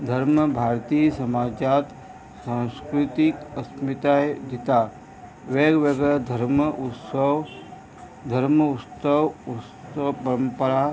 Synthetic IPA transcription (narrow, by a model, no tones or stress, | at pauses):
d̪ʱɐɾməbʱaːɾt̪iːsɐmaːd͡ʒaːt̪ | sãnskɾɪt̪ikəsmit̪ad̪it̪a | ʋeɡʋeɡəd̪ʱəɾməut̪səʋ | d̪ʱəɾməut̪səʋu | əpɐɾəmpəɾa